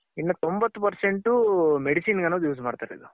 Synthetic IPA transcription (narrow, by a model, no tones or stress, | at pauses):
inːɐt̪ombɐt̪ːupɐɾseɳʈumeɽisiːnɡɐnɐd̪juːsmaːɽt̪aɾḛid̪u